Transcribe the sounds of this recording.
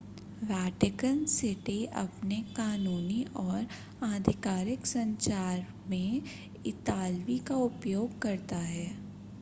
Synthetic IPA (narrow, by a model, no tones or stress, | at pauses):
ʋɛːʈɪkənsɪʈiɐ̰pnekaːnuːniʔɔːɾ | aːd̪ʱɪkaːɾɪksɐ̃ɲt͡ʃaːɾ | mẽ | ɪt̪aːlʋikaʊpjoːɡ̚kɐɾt̪aɦɛː